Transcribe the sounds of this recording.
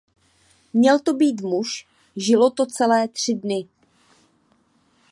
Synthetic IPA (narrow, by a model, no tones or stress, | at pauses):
mɲɛlt̪o̞biːt̪̬muʃ | ʒɪlo̞t̪o̞t͡sɛlɛːt̪r̝̥ɪdnɪ